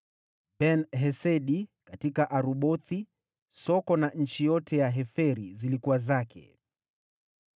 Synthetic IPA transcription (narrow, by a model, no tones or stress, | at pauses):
bɛnɦɛsɛɗikatikaʔaɾuɓɔθi | sɔkɔnaɲ̩t͡ʃijɔtʰɛjaɦɛfɛɾizilikuwazakʰɛ̰